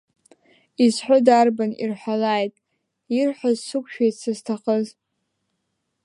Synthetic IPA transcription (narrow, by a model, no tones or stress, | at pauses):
izħʷʊdarbanḭrħʷᶣalajtʼ | irħʷazsɨkʷʰʼʃᶣajtsɨztʰaχəz